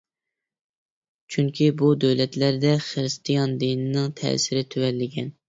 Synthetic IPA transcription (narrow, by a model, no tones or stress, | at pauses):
t͡ʃʰyŋkʲʰibud̪øwlɛt̪læɾd̪ɛχɨɾɨst̪ʰijɑnd̪inɪnɪŋt̪ʰɛ̰ːsɪɾɪt̪ʰøwɛlːɪɡʲɛn